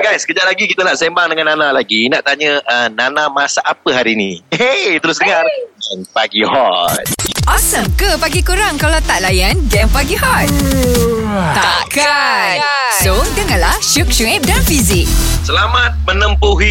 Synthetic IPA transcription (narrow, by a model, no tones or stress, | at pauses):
ɡajskəd͡ʒaʔlaɡikit̪ənaʔsembaŋdəŋanːanalaɡinaʔt̪aɲəənanãmasaʔapəɦaɾiːnĩhet̪əɾʊsdəŋaranpaɡihɔ̰t̪̚ʔɔsəmkəpaɡikuɾaŋkalawt̪aʔlajanɡɛ̃ŋpaɡiɦɔt̪̚ | t̪aka | sodəŋanlaʃuk̚ʃuŋɛp̚danfizɪk̚ | səlamat̪̚mənəmpuɦi